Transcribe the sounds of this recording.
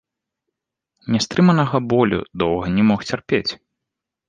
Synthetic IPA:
nʲɛst̪ɾɨmɐnɐɣɐbɔlʲṵd̪ɔwɣɐnʲɛmɔxt͡sʲɛrpʲet͡sʲ

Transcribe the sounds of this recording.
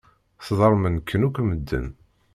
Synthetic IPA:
θðˤəɾˤmənkʰːənukʷːməd̪ːə̰n

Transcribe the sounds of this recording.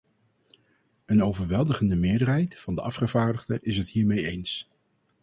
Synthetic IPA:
ənowvəɹʋɛlˠdəχəndəmɪːɹdərɦɛjtfɑndəʔɑfχəv̥aːɹdəχdəʔɪs̬ɦətɦiːɹmejejns

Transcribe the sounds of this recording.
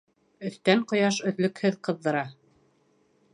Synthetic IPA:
ɵ̆θt̪æɴqŏjɑʃɵ̆ðlɵ̆khɘðqɤ̆ðːɤ̆ɾɑ

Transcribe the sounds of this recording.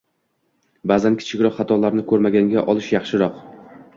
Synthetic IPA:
bazankʲʰɪ̥t͡ʃʰɪkʲɾɒχɑt̪ʰɒlaɾnɪkʰɵɾmaɡʲaŋɡʲaʔɒlˠɪʃjɑχʃɪɾɒq

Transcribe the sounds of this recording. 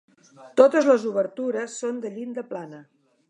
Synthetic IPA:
t̪ot̪əzləzuβ̞əɾt̪uɾəsːond̪əʎind̪əplanə

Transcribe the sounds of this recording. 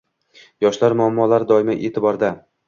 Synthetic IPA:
jɒʃlaɾmʊamːɒlaɾd̪ɒɪmaʔḛt̪ʰɪbɒɾd̪a

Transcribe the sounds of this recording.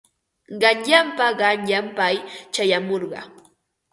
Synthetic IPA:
ɢɑnʎampaɢɑnʎampajt͡ʃajamoɾɢɑ̰

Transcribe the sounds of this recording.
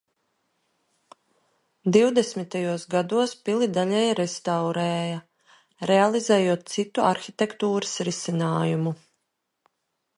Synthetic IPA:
d̪iwd̪esmit̪ajuɔsɡad̪uɔspilˠid̪aʎɛjɾɛst̪awɾɛːja | ɾɛalˠizɛːjuɔt̪̚t̪sit̪uʔaɾxʲit̪ɛkt̪uːɾɨsɾisinaːjumu

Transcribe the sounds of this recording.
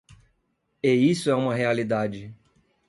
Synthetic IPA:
eisʊɛũmɐɦealid̪ad͡ʒɪ

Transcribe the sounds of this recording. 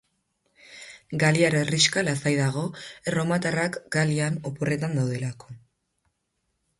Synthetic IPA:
ɡaliaɾeriʃkalasajðaɣ̞o̞ero̞mat̪arakɡaliano̞pore̞t̪and̪awðe̞lako

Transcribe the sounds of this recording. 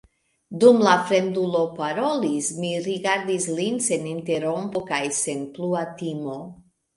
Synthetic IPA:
dumlafɾend̪ulo̞paɾo̞lismiɾiɡaɾd̪islinse̞nint̪e̞ɾompokajsenpluat̪imo

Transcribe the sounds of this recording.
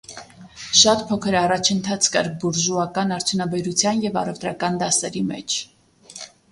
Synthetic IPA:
ʃɑt̪pʰɔkʰəɾɑrɑt͡ʃʰənt̪ʰɑt͡sʰkɑ̰ɾbuɾʒuɑkɑnɑɾt͡sʰjunɑbɛɾut͡sʰjɑnjɛvɑ̰rɛvt̪ɾɑkɑnd̪ɑsɛɾimɛ̰t͡ʃʰ

